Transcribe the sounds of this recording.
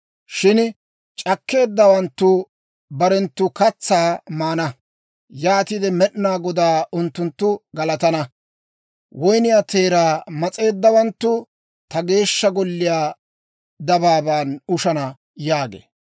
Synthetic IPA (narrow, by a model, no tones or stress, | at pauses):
ʃɪn | t͡ʃʼɐkːe̞ːd̪ːɐwɐnt̪ːʊ | bɐɾɛnt̪ːʊkɐt͡sːaːmaːnɐ | jaːt̪ɪd̪ɛmɛɗnaːɡɔd̪aːʊnt̪ːʊnt̪ːʊɡɐlɐt̪ɐnɐ | wɔjnɪjaːt̪e̞ːɾaːmɐt͡sʼe̞ːd̪ːɐwɐnt̪ːʊ | t̪ɐɡe̞ːʃːɐɡɔlːɪjaː | d̪ɐbaːbaːnʊʃɐnɐ | jaːɡḛː